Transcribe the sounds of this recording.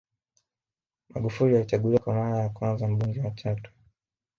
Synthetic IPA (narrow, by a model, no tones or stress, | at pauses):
maɠufulijalit͡ʃaɡuliwakwamaɾajakwanzam̩ɓuŋɡɛwat͡ʃatu̥